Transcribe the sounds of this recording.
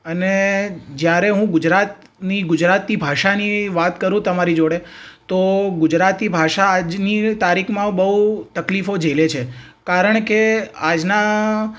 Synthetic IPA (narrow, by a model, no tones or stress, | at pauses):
əned͡ʒjaɾeɦũɡʊd͡ʒɾat̪ | niɡʊd͡ʒɾat̪nibʱaʃaniʋat̪kəɾũt̪əmaɾid͡ʒoɽet̪oɡʊd͡ʒɾat̪nibʱaʃaːd͡ʒnit̪aɾikʰmãbəɦut̪əklifod͡ʒəlet͡ʃʰe | kaɾəɳ̃kead͡ʒna